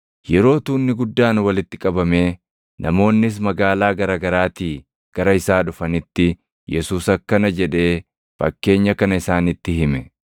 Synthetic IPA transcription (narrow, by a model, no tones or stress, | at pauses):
jɛɾo̞ːt̪uːnːɪɡʊd̪ːaːnwɐlɪt̪ːɪkʼɐbɐme̞ː | nʔɐ̰mo̞ːnːɪs̬mɐɡaːlaːɡɐɾɐːɡɐɾaːt̪iː | ɡ̥ɐɾɐɪsaːᶑʊfɐnɪt̪ːɪ | jɛsuːsɐkːɐnɐd͡ʒɛᶑe̞ː | fɐ̰kːe̞ːɲːɐkɐnɐɪsaːnɪt̪ːɪhɪmɛ